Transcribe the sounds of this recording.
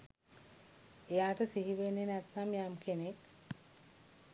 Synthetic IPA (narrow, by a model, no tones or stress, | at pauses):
ejaːʈəsiɦiʋenːenæt̪namjamkʰenek